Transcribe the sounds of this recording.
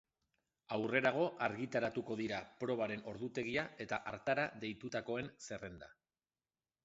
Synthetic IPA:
awre̞ɾaɣ̞o̞ʔaɾɣit̪aɾat̪uko̞ðiɾapɾo̞β̞aɾe̞no̞ɾðut̪e̞ɣ̞iae̞t̪aʔaɾt̪aɾaðe̞jt̪ut̪ako̞e̞nse̞re̞nd̪a̰

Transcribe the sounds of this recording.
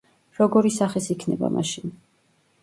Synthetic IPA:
ɾɔɡɔɾisaχisikʰnɛba̰mʔa̰ʃin

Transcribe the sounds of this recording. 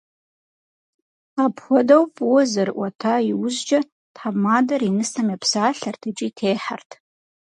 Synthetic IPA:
apʰxʷɔdawpʼwɔzɨrʔʷatʰaiwʊzd͡ʒɐ | tħabmadɐrinɨstʰamiapʰsaːɬartʰɨt͡ʃʼɪitʰejħartʰ

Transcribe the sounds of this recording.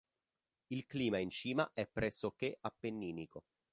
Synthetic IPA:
ilkliːmaint͡ʃiːma̰ʔɛpːɾɛsːokeʔapːenːiːniko

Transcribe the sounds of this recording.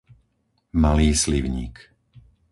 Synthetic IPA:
maliːsliʋɲḭːk

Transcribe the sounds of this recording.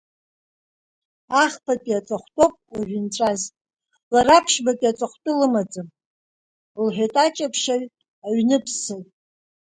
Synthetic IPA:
aχpʰapʼiat͡sʼaχʷtʼopʼaʒʷᶣɪnt͡sʷʼaz | larapʰʃbapʼiat͡sʼaχʷtʼɨlɨmad͡zɨm | lħʷᶣatʼat͡ʃʼapʰʃaɥ | aɥnɨpʰsɨtʼ

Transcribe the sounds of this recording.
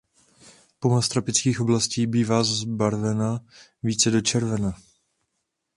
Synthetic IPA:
pomast̪ɾapɪt͡skiːxʔo̞blasciːbiːvaːzbaɾvɛna | viːt͡sɛdo̞t͡ʃɛɾvɛna

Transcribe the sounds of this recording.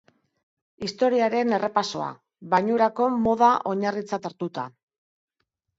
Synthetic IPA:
ist̪o̞ɾiaɾe̞ne̞rʔe̞paso̞a̰ | βajɲuɾako̞mo̞ð̞aʔo̞ɲarit͡sat̪aɾt̪ut̪a

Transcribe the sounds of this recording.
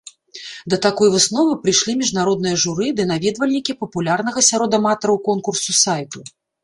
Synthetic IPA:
d̪ɐt̪akɔjvɨsnɔvɨpɾɨjʂlʲimʲiʐnaɾɔd̪nɨjɐʐuɾɨd̪ɨnavʲɛd̪vɐlʲnʲikʲipɐpulʲarn̪ɐɣɐsʲaɾɔd̪ɐmat̪ɐɾɐwkɔnkursusajt̪u

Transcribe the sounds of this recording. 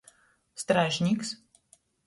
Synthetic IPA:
st̪ɾaʒʲnʲiːks

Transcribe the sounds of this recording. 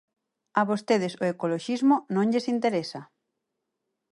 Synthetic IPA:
aβost̪eð̞esoekoloʃizmonõŋʎesint̪eɾesa

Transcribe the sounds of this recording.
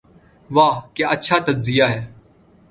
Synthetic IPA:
ʋaːkeətːʃʰaːt̪əd͡ʒzɪjaːɦɛː

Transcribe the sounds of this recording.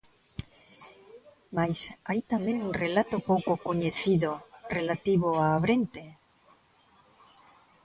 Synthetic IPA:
majsajt̪amẽŋuŋrelat̪opowkokoɲeθiðorelat̪iβoaːβɾent̪e

